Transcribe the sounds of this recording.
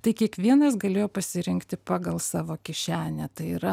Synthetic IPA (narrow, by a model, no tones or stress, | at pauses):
t̪ɐɪkʲiɛkʋʲiɛnɐsɡɐlʲeːjoːpɐsʲɪɾʲɪŋkt̪ʲɪpɑːɡɐlˠsɑːʋoːkʲɪʃʲæːnʲɛt̪ɐɪiːɾɐ